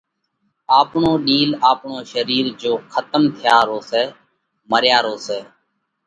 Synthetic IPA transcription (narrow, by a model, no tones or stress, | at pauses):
aːpɳoːɗiːlaːpɳoːʃəɾiːɾd͡ʒoːkʰət̪əmt̪ʰɪjaːɾoːsɛː | məɾjaːɾoːseː